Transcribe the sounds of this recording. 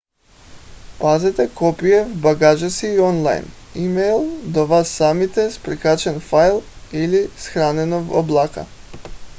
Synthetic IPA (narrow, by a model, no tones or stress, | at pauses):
pazɛt̪ɛkɔpiɛvbaɡaʒasiːɔnlˠa̰jnimɛjlˠd̪ɔvasːamit̪ɛspɾikat͡ʃɛnfajlˠilisxɾanɛnɔvɔ̰blˠaka̰